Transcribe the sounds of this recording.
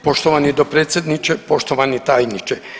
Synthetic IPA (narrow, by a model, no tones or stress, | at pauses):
poʃt̪oʋanid̪opɾeːt̪sʲjed̪nit͡ʃepoʃt̪oʋanit̪aːjnit͡ʃe